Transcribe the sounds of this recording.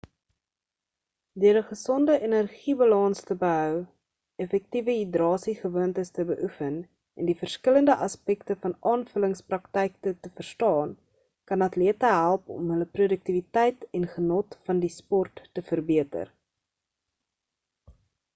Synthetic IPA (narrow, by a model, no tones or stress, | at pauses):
døəɾəχəsɔndəʔenərχibɐlɑnstəbəɦœw | ɛfɛk̚tivəɦidrɑːsiχəvuəntəstəbəʔufən | ɛndifərskələndəʔɐspɛktəfɐnɑːnfələŋsprɐktɛjk̚tətəfərstɑːn | kɐnɐtliətəɦælˠpɔ̰mɦələprudək̚tivitɛjtɛnχənɔtfɐndispɔrtːəfərbiətə̰r